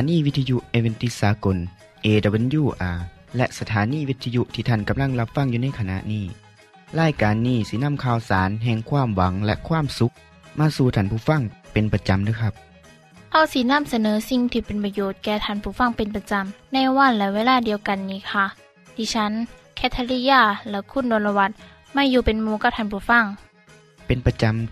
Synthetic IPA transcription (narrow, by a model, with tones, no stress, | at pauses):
a˨˦niː˧˩˨ʋi˧˥t̪ʰːa˧ju˧ʔʔe˧we˧nt̪i˧˥saː˨˦ko˨n | ʔeː˧˩da˧be˧˦njuː˧˩ʔaː˨˩ | lɛ˧ʔsa˧t̪ʰaː˨˦niː˧˥˩ʋi˧˥t̪ʰːa˧ju˧˥ʔt̪ʰiː˧˩a˧˥˩nka˨˧˦mla˧˥˩ŋla˧p̚fa˧˩˨ŋjuː˧na˧˥˩jkʰa˧na̰˧ʔniː˧˩ | laː˧˩jkaː˨nːiː˧˩si˧˦na˧˥˨mkʰaː˧˩wsaː˨˦nɦɛː˧˩ŋkʰwaː˧˥˨mwa˨˦ŋlɛ̰˧ʔkʰwaː˧˥˨msu˧˦˥k̚ | maː˧˨suː˧˩t̪ʰaː˧˩˨pʰuː˧˩fa˧˥˨ŋpe˨npa˧t͡ɕa˨mdɯː˧˦˩kʰa˧p̚ | ha˧˩wsi˧na˧˥˨msa˧nɤː˨˦si˧ŋt̪ʰiː˧pe˨npa˧joː˧˦t̪̚kɛː˧˩t̪ʰaː˧˩˨npʰuː˧˩fa˧˥˨ŋpe˨npa˧t͡ɕa˨mna˧˥˨jwa˧˨nlɛː˧˦weː˧˥˨laː˧˥˨di˨əwka˨nːiː˧˩˨kʰa˧˩ | diː˧˦t͡ɕʰa˧˦˥n | kʰɛː˧˥t̪ʰːa˧liː˧jaː˧˩lɛ˧˩kʰu˧˥˨ndoː˨˧˦nla˧wa˧t̪̚ | maː˧˥˨juː˧˩pe˨nmuː˧˦ka˧˩p̪̚ʰaː˧˨npʰuː˧˦fa˧˥˩ŋ | pe˨npa˧t͡ɕa˧˨m